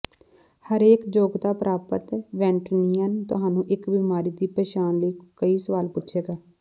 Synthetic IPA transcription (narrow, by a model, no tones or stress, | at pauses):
həɾeːkd͡ʒoːɡt̪aːpɾaːpət̪ʋɛ̃ːɳʈnijənt̪ʊɦaːnũːʔɪkbiːmaːɾiːd̪iːpɛːt͡ʃaːnləiːkəiːsəʋaːlpʊtːʃʰeːɡaː